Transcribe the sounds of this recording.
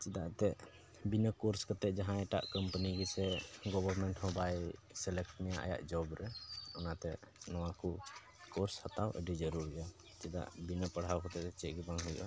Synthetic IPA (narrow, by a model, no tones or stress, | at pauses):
t͡ʃid̪aʔt̪ɛʔ | binəkɔɾskɔt̪ɛʔ̚d͡ʒaɦãɛʈa̰ʔkəmpəniɡisɛɡɔbəɾmɛɳʈhɔ̃bajsɛlɛkʈmɛjaʔa̰ja̰ʔd͡ʒɔbɾɛɔnat̪ɛnɔwaku | kɔɾshat̪awʔə̰ɖid͡ʒəɾuɾa | t͡ʃid̪a̰ʔbinəpaɽ̤awkɔt̪ɛʔɛt͡ʃɛʔɡibaŋɦujɔ̰ʔa